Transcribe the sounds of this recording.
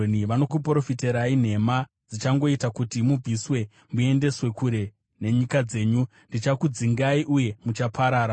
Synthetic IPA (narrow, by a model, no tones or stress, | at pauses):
niʋano̞k̬up̬ɾo̞fiteɾain̤e̞ma | d͡zit͡ʃaŋɡo̞itakutimub͡vʱiswe̞ | mue̞nde̞swe̞kuɾe̞ | ne̞ɲikad͡ze̞ːɲu | ndit͡ʃakud͡ziŋɡaiʔuje̞mut͡ʃapʰaɾaːɾa